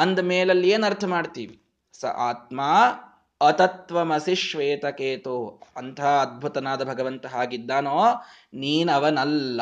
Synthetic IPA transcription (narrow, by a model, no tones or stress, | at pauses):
ɐnd̪ɐmeːlɐlːieːnɐɾt̪ʰɐmaːɖt̪ḭːʋi | sɐ̰ʔa̰ːt̪maː | ɐt̪ɐt̪ʋɐmɐsiʃʋeːt̪ɐkeːt̪uɐnt̪ʰaɐd̪̚bʱut̪ɐnaːd̪ɐbʱɐɡɐʋɐnt̪ɐɦaːɡid̪ːaːnoː | niːnɐʋɐnɐlːɐ